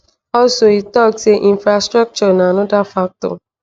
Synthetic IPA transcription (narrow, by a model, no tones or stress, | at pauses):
ɔsoitɔkseʔĩnfɾastɾak̚t͡ʃɔnãnʊ̃dafak̚tɔ̰